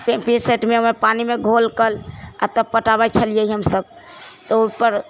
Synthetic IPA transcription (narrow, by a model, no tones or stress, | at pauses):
pepiseʈmeepanimeɡʱolkəla̰t̪əb̚pəʈaβajt͡ʃʰəlijəiɦəmsəb | t̪ɔopəɾ